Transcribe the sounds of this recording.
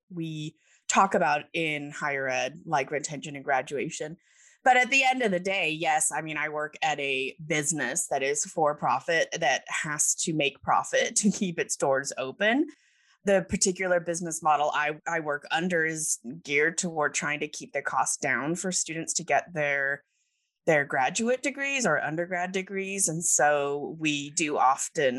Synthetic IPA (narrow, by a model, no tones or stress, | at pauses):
wi | tʰɔkɨbaʊɾɪ̃nhaɪə˞ɛdlaɪɡɹɨ̃ntʰɛ̃nʃɨ̃nɨ̃nɡɹæd͡ʒʉeɪʃɨ̃n | b̥ʌɾɨt̪̚ðiɛ̃ndʌvðɨdeɪjɛsaɪmĩñaɪwɜ˞kɨɾɨbɪznɨsðɨɾɪz̥fə˞pʰɹ̥ɑfɨt̪̚ðɨt̚hæstʰɨmeɪk̚pʰɹ̥ɑ̰fɨtʰɨkʰipɨtsd̥ɔɹzoʊpɨ̃n | ðɨpʰə˞tʰɪkjl̩ˠə˞bɪznɨsmɑɾl̩ˠa̰ɪaɪwɜ˞kʌ̃ndə˞ɪzɡɪɹtʰəwɪɹtʰɹ̥aɪɪ̃ŋtʰɨkʰip̚ðə˞kʰɔsd̥ãʊ̃nfə˞stʉdⁿn̩tstʰɨɡɛt̪̚ðə˞ | ðə˞ɡɹæd͡ʒʉɨt̚d̥ɨɡɹizə˞ʔʌ̰̃ndə˞ɡɹædɨɡɹizɨ̃nsoʊwidɨʔɑftɨ̃n